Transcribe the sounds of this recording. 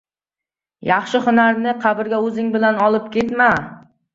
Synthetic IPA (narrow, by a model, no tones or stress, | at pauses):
jɑχʃɪhʊnaɾnɪqʰɑbɪɾɡʲaɵzɪŋbɪlanɒlˠɪpkʲet̪ma